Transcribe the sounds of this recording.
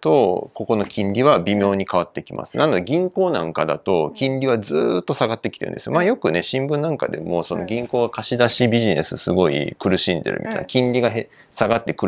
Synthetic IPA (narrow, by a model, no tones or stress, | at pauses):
t̪o̞ko̞ko̞no̞kʲʰĩɲɾʲiβabʲimʲjo̞ːɲ̟ikaβ̞at̪ːe̞kʲimʔa̰sɨ̥nano̞d̪eɡʲĩŋko̞ːnã̰ŋkad̪a̰t̪o̞kʲĩɲɾʲiβ̞ad͡zɨːt̪ːo̞saɡat̪ːekʲi̥t̪eɾɯ̟̰̃nd̪esɨjomaːjo̞kɯ̟ne̞ɕĩmbɯ̟̃nːãŋka̰d̪e̞̰mo̞so̞̰no̞ɡʲĩŋko̞ːɡakaɕid̪aɕibʲiʑine̞̰sɨ̰sɨɡo̞ḭkɯ̟ɾɯ̟ɕĩnd̪e̞̰ɾɯ̟mʲʔḭt̪a̰na̰kʲĩnɾʲiɡaɦe | saɡat̪ːe̞kɯ̟ɾ